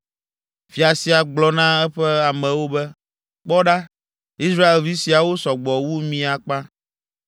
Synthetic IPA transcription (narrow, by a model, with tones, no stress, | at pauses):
fi˨a˨si˨a˨ɡ͡blɔ˦nã˦ɛ˦ɸɛ˦a˨mɛ̃˨wo˦bɛ˦ | k͡pɔ˦ɖa˦ | i˦s̬ɾa˦e˨lvi˦si˨a˨wo˦sɔ˨ɡ͡bɔ˨wu˦mĩ˦a˨k͡pã˦